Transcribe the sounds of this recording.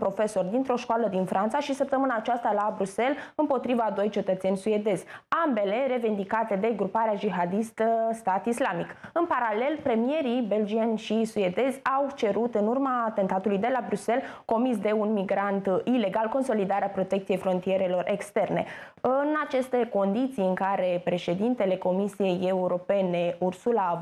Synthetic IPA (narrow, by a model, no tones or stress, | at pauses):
pɾo̞fe̞so̞rd̪int̪ɾo̞ʃkoaləd̪infɾʔant̪saʃisəp̚t̪əmɨnaːt͡ʃast̪alabɾuse̞lɨmpo̞t̪ɾivad̪o̞jt͡ʃe̞t̪ət̪se̞nʲsue̞d̪e̞zʲambe̞le̞ɾe̞vind̪ikat̪e̞d̪e̞ɡɾupaɾead͡ʒiɦad̪ist̪əst̪at̪islamikɨnpaɾale̞lpɾe̞mie̞ɾibe̞ld͡ʒianʲʃisue̞d̪e̞zʲawt͡ʃe̞ɾut̪ɨnurmaːt̪e̞nt̪at̪ulujd̪e̞labɾuse̞lko̞mis̬d̪e̞unmiɡɾant̪ile̞ɡalko̞nso̞lid̪aɾeapɾo̞t̪ek̪̚sije̞jfɾo̞nt̪ije̞ɾe̞lo̞rʔe̞kst̪e̞rne̞̰ | ɨnat͡ʃe̞st̪e̞ko̞nd̪it̪sijɨŋkaɾe̞pɾe̞ʃe̞d̪int̪e̞le̞ko̞misije̞je̞uɾo̞pe̞ne̞ursula